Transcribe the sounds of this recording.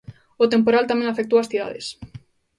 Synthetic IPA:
ʊt̪empoɾalt̪amɛ̃ŋafek̚t̪owasθiða̰ðḛs

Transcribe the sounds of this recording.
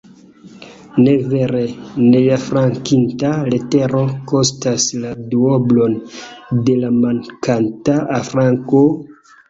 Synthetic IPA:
neveɾeneafɾaŋkintaleteɾo̞kostasladuoblo̞nde̞lamaŋkantaafɾaŋko

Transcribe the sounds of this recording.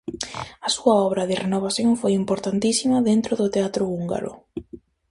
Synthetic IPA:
ɐsuɐɔβɾɐðɪrʔenoβ̞aθjõŋfojimpoɾt̪ant̪isimɐðent̪ɾoðʊt̪eat̪ɾʊuŋɡa̰ɾʊ̰

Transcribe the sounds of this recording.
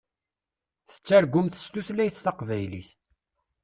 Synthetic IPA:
θə̥t͡sːæɾɡʷʊmθə̥st̪uθlæjθt̪ɑqvæjlḭθ

